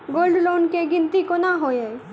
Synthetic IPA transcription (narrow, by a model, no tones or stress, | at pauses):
ɡoːlɖloːnkeɡɪ̃nt̪ikonaɦoːja